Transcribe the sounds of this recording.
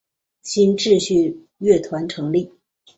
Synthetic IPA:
ɕʰi˥nʈ͡ʂɻ̩˥˧ɕy˥˧ | ɥɛ˥˩t̪ʰwa˧˥nʈ͡ʂʰɤ˧˥ŋli˥˩

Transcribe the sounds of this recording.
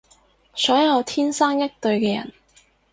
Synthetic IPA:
sɔː˨˥jɐ˨˧wt̪ʰiː˥nsaː˥ŋjɐ˥k̚t̪ɵ˧ɥkɛː˧jɐ̰˨˩n

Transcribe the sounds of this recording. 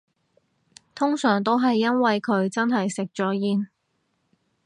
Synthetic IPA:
t̪ʰʊ˥ŋsœː˨˩ŋt̪̬o˥wɦɐ˨jːɐ˥nwɐ˨jkʰɵ˨˧ɥt͡sɐ˥nɦɐ˨jsɪ˨k̚t͡ʃɔː˨˥jiː˧n

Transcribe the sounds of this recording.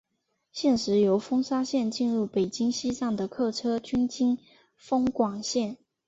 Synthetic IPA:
ɕjɛ˥˩nʂɻ̩˧˥jo˧˥ʊfɤ˥ŋʂa˥ɕjɛ˥˧nt͡ɕi˥˧nɻu˥˩pe˨˩ɪt͡ɕi˥ŋɕi˥t͡sɑ˥˩ŋd̪ə˩kʰɤ˥˩ʈ͡ʂʰɤ˥t͡ɕy˥nt͡ɕi˥n | fɤ˥ŋkwɑ˨˩ŋɕjɛ˥˩n

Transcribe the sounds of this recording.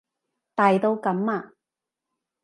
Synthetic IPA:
t̪aː˨jt̪o˧wkɐ˨˥mːaː˧

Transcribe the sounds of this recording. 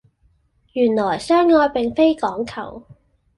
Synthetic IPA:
jyː˨˩nlɔː˨˩jsœː˥ŋːɔː˧jpe˨ŋfe˥jkɔː˨˥ŋkʰɐ̰˨˩w

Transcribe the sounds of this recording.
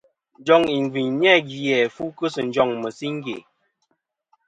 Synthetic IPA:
n˦d͡ʒɔ˦˨ŋi˨ŋ˨ɡi˨ɲɲ˦ɛ˦ɡi˨jɛ˨fu˦kə˦sə˨n̩˨˦d͡ʒɔ˦˨ŋmə˨si˦ŋ˦ɡḛ˨

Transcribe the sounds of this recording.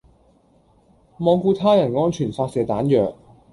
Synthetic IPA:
mɔː˨˧ŋkuː˧t̪ʰaː˥jɐ˨˩nŋɔː˥ŋt͡ʃʰyː˨˩nfaː˧t̚sɛː˨t̪aː˨˥njœː˨k̚

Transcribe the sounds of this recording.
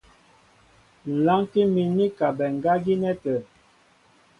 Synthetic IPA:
n̩˨la˦ŋki˦mi˨ni˦ka˨bɛ˨ŋ̩˨ɡa˦ɡi˦nɛ˦tɛ˨

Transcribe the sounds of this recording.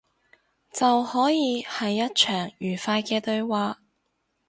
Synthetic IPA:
t͡sɐ˨whɔː˨˥jiː˨˧hɐ˨jːɐ˥t̚t͡ʃʰœː˨˩ŋjyː˨˩faː˧jkɛː˧t̪ɵ˧ɥwaː˨˧

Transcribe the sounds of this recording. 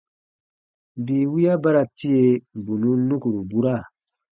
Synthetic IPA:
bi˨wi˦ja˦ba˦ɾa˨ti˦e˦bu˨nũ˦nu˦ku˨ɾu˨bu˦ɾa˦˨

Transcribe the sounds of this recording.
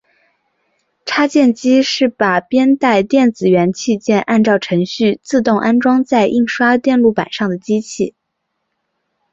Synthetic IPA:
ʈ͡ʂʰa˥t͡ɕjɛ˥˩nt͡ɕi˥ʂɻ̩˥˩pa˨˩pjɛ˥nt̪a˥˧ɪt̪jɛ˥˩nt͡sɹ̩˨˩ɥɛ˧˥nt͡ɕʰi˥˧t͡ɕjɛ˥˧nʔa˥˧nʈ͡ʂɑ˥˩ʊʈ͡ʂʰɤ˧˥ŋɕy˥˧t͡sɹ̩˥˧t̪ʊ˥˩˧ŋʔa˥nʈ͡ʂwɑ˥ŋt͡sa˥˧ɪʔi˥˩ŋʂwa˥t̪jɛ˥˧nlu˥˩pa̰˨˩nʂɑ˥˩ŋd̪ə˩t͡ɕi˥t͡ɕʰi˥˩

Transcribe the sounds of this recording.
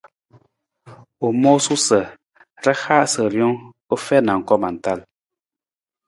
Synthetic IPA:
o˨mɔ˦su˦sə˨ | ɾə˦xa˦ʔsə˨ɾjɔ˦ŋ | ə˦fɛ˦na˨ŋ̩˨kɔ˦ma˨n˨ta˦˨l

